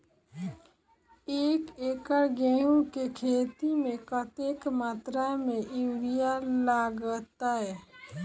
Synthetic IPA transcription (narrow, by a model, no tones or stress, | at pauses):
eːkeːkəɾɡɛːjũkekʰeːt̪imẽkət̪ekmaːt̪ɾamẽɪʋijalaːɡət̪ːaɦɛː